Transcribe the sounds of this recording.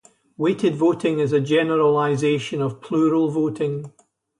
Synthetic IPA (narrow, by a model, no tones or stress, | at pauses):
weʔɪdvoʔɪ̃ŋɪzəd͡ʒɛnəɹəlˠaɪzeʃə̃nəv̥pʰl̥ˠʉɹəlˠvoʔɪ̃ŋ